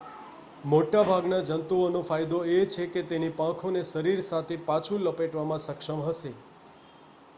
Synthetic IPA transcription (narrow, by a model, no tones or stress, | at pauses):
moʈabʱaɡnad͡ʒənt̪uonofajd̪oet͡ʃʰeket̪enipãkʰoneʃəɾiɾsat̪ʰepat͡ʃʰũləpeʈʋamãsəkʂəmɦəʃe